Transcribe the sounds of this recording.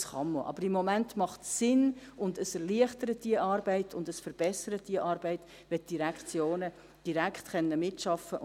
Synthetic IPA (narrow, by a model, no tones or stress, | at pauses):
sχɑmːoʔɑ̰b̥əɾɪmːɔmæntmɑχtsɪnʊndəsɛɾliəχtəɾət̚d̥iəʔɑːɾbɛɪtʰʊndəsfəɾb̥ɛsəɾət̚d̥iəʔɑːɾbɛɪt | ʋɛt̚d̥iɾækχt͡sjoːnə | d̥iɾækχtχɛnːəmɪtʃɑfːə